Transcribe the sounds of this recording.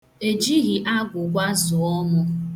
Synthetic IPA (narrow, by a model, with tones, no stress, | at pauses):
e˨d͡ʒi˦ɣi˨ʔa˦ɡʷʊ˨ɡʷa˦zʊ˨ɔ˦mʊ˦